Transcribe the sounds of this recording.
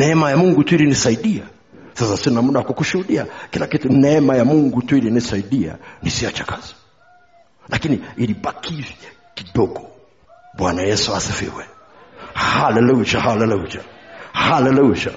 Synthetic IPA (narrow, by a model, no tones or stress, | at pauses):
nɛɛmajamuŋɡutuilinisaiɗia | sasasinamuɗawakukuʃuhuɗiakilakitunɛɛmajamuŋɡutuilinisaiɗia̰nisiat͡ʃakʰaz̥i̥ | lʔakiniiliɓakʰivja | kiɗɔɡɔ | ɓwanajɛsuasifḭwɛ | halɛlut͡ʃahalɛlut͡ʃa̰halɛluʃa̰